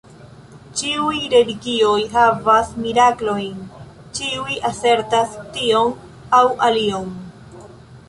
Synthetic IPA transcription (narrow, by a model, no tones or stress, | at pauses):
t͡ʃiujɾe̞liɡio̞jɦavasmiɾaklo̞jn | t͡ʃiujʔase̞ɾtastio̞n | awʔalio̞n